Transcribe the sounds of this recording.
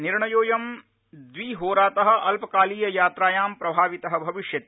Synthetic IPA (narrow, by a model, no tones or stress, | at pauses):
niɾɳɐjoːjɐm | d̪ʋiːɦoːɾaːt̪ɐɦɐ̆ʔɐlpɐkaːliːjɐjaːt̪ɾaːjaːmpɾɐbʱaːʋit̪ɐɦɐ̆bʱɐʋiʃjɐt̪